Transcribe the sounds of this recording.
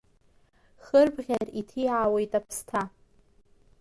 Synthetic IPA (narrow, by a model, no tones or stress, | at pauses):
χərbʁʲaritʰiawejtʼapʰstʰa